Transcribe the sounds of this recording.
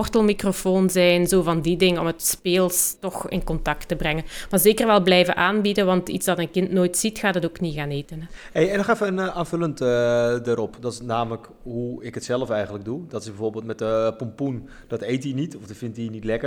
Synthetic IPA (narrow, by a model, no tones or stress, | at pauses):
ɔrtəlˠmikrofoːnzɛjnzoːvɑndidɪŋənɔ̰mətspeːlˠstɔxɪ̰nkɔntɑktəbrɛŋənmaːɹzeːkərʋɛlˠblɛjvəʔaːnbidəʋɑntḭtzdɑtənkɪntnoːjtsitxaːtətoːkniɣaːneːtənɛ | ejɛnɔχɛfəənaːnvɵləntdaɾɔpdɑtnaːmələk | ɦuɪkətsɛlfɛjχənlək̚dudɑtɪsbɛvoːɹbeːlˠtmɛtəpɔmpun | d̥ɑtejtinitɔfdɑtfɪntinitlɛkə